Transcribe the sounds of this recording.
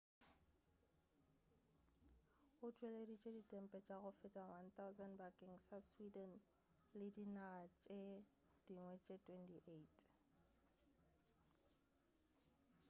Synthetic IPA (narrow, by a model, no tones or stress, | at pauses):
ʊt͡ʃʼweledit͡ʃʼeditʼɛm̩pʼɛt͡ʃʼaɣʊfɪtʼawant̪aʊzɛnbakʼɪŋ̩saswidɛn | lɪdinaɣat͡ʃʼe | d̥iŋwɛt͡ʃʼetʰʼwɛntʼiʔeitʼ